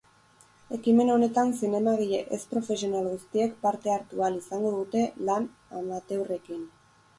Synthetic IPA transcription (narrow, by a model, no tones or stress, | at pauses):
e̞kime̞no̞ne̞t̪ansine̞maɣiʎeʔespɾo̞fe̞sio̞nalɣust̪ie̞kpaɾt̪e̞aɾt̪ualisaŋɡo̞ðut̪e̞lan | amat̪e̞wre̞kin